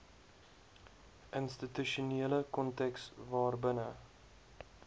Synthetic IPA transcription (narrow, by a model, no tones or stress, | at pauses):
ʔənstituʃuniələkɔntɛksvɑːrbənə